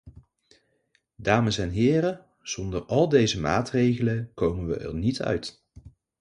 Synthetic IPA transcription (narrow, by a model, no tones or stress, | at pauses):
daːməsɛnɦɪːrə | z̥ɔndərɑlˠdejzəma̰ːtrejχələkowmənʋə̰ʔɛ̰ɹnitʰœ̰ɥt